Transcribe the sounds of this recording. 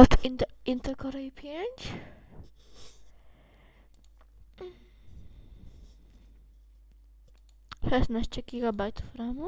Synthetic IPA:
t̪int̪ɛɾkɔɾɛjipʰʲjeɲʲt͡ɕ | ʃɛsnaɕt͡ɕɛɡʲiɡabajt̪u̥fɾamu

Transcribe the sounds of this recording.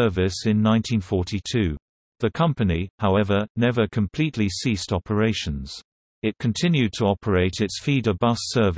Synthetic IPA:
ɜ˞vɪsɪ̃nːãɪ̃ntʰĩnfɔˑtʰitʰʉː | ðəkʰʌ̃mpənihaʊɛvənɛvəkʰə̃mpʰl̥iˑʔlisiˑstɒpʰəɹeɪʃə̃nz̥ | ɪt̚kʰə̃ntʰɪ̃njʉd̚tʰəɒpʰəɹeɪtɪtsfiːdəbʌsɜːv

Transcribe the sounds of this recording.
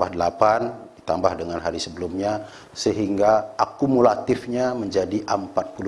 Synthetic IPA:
bahdəlapandit̪ambahdəŋanɦaɾisəbəlumɲa | səɦiŋɡaakumulat̪ɪfɲaməɲd͡ʒadiʔəmpat̪̚pul

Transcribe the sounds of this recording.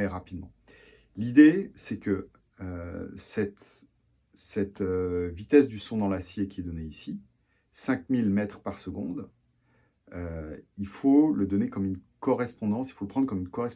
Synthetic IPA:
ɛʁapid̪mɑ̰̃ | lid̪esɛkə | øsɛt̪ | sɛt̪øvit̪ɛsd̪ysɔ̃d̪ɑ̃lasjekʲiɛd̪ɔneisi | sɛ̃kmilmɛt̪χpaʁsəɡɔ̃d̪ | øilfoləd̪ɔnekɔmynkɔʁɛspɔ̃d̪ɑ̃silfoləpχɑ̃d̪ʁkɔmynkɔʁɛs

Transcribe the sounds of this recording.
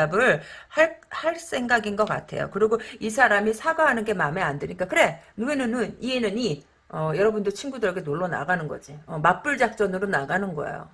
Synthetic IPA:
abɯɭhaɭhaɭs͈ʰe̞ŋɡaɡinɡʌk͈a̰tʰe̞̰jo̰kɯɾiɡoisʰaɾamisʰaɡaɦanɯnɡe̞mame̞andeɲik͈akɯɾe̞nuenɯnɯnienɯni | ʌjʌɾʌbundɯɭt͡ɕʰinɡudɯɾʌɡe̞noɭːʌna̰ɡanɯnɡʌd͡ʑiʌmap͈ɯɭd͡ʑak̚t͡ɕ͈ʌnɯɾonaɡanɯnɡʌ̰ḛjo̰

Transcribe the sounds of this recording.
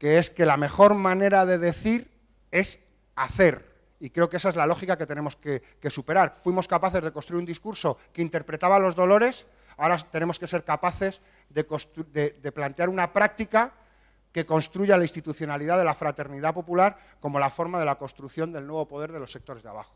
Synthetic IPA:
ke̞e̞ske̞lame̞xo̞ɾmãne̞ɾað̞e̞ðe̞θiɾ | e̞s | aθe̞ɾ | ikɾe̞o̞kees̬ae̞zlalo̞xikake̞t̪ene̞mo̞ske | ke̞supe̞ɾaɾfwimo̞skapaθe̞zðe̞ko̞nst̪ɾuiund̪iskuɾso̞keint̪e̞ɾpɾe̞t̪aβalo̞zðo̞lo̞ɾe̞s | aoɾat̪ene̞moske̞se̞ɾkapaθe̞z | ðe̞kost̪d̪eðe̞plant̪e̞aɾunapɾak̚t̪ika | ke̞ko̞nst̪ɾuʝalaist̪it̪uθjo̞naliðaðe̞lafɾat̪e̞ɾniðapo̞pulaɾ | ko̞mo̞lafo̞ɾmaðe̞lako̞nst̪ɾuθjo̞nd̪e̞lnwe̞β̞o̞po̞ð̞e̞ɾð̞e̞lo̞sːe̞k̚t̪o̞ɾezða̰β̞axo

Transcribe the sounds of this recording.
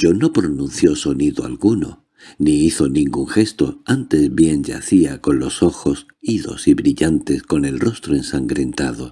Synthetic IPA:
ʝo̞no̞pɾonũnθjo̞so̞niðoa̰lɣuno̞̰ | niiθo̞nĩŋɡuŋxe̞st̪o̞ant̪e̞zβje̞nd͡ʒa̰θiako̞nlo̞so̞xo̞s | iðo̞̰siβɾiʎant̪e̞sko̞ne̞lro̞st̪ɾoensaŋɡɾe̞nt̪aðo̞

